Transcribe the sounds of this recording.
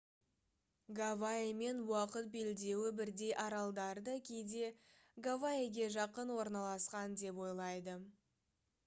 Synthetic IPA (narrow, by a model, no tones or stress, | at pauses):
ɡavaeme̞nwɑqət̪̚be̞ld̪e̞wɪbɪɾd̪e̞jʔɑɾɑlˠd̪ɑɾd̪əkʲʰejd̪e̞ | ɡavaeɡʲe̞ʒɑqənwo̞ɾnɑlˠɑsqɑnd̪e̞pwo̞jlˠɑjd̪ə